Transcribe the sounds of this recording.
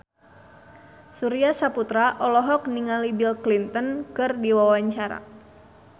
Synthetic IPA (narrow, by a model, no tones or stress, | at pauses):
suɾiasaput̪ɾaʔɔlɔɦɔk̚niŋalibilklint̪ɔnkɨrdiwawaɲt͡ʃaɾa̰